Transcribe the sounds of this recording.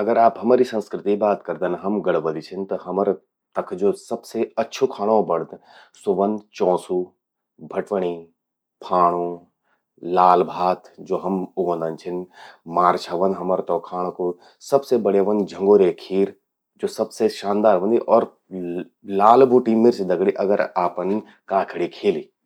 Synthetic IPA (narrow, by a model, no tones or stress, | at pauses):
ɐɡəɾaːpɦɐmaːɾisə̃nskɾɪt̪iibaːt̪kɐɾd̪enɦɐmɡɐɽʋəlit͡ʃʰɪnt̪ɐɦɐməɾ | t̪ɐkʰd͡ʒoːsɐbseɐtːʃʰokʰaːɽ̃õbɐɽ̤t̪ | sʊʋənd̪t͡ʃɔ̃ːsu | bʱɐʈʋəɽ̃i | pʰaːɽ̃õ | laːlbʱaːt̪d͡ʒoːɦɐmʊʋə̃nd̪ənt͡ʃʰɪnmaːɾt͡ʃʰaʋənɦɐməɾt̪ɔːkʰaːɽ̃õko | sɐbsebɐɽeʋənd͡ʒʱɐ̃ŋɡoːɾekʰiːɾ | d͡ʒoːsɐbseʃãːnd̪aːɾʋə̃nd̪iʔɔːɾ | laːlbʱuʈimɪɾsed̪ɐɡɽiʔɐɡəɾaːpən | kãːkʰɽikʰeːliː